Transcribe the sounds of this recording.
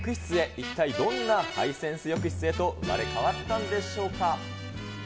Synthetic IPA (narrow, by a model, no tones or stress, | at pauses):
kɯ̟çi̥t͡sɨe̞ʔit̪ːaid̪õ̞nːaha̰isẽ̞ɰ̃sɨjokɯ̟çi̥t͡sɨe̞t̪o̞ʔɯ̟̰ma̰ɾe̞kaβat̪ːãnd̪e̞ɕo̞ːka